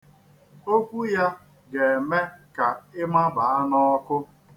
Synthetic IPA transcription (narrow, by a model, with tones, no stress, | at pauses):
o˦kʷu˦ja˦ | ɡe˨e˨me˦ka˨ɪ˦ma˦ba˨a˦nɔ˦ɔ˦kʊ˦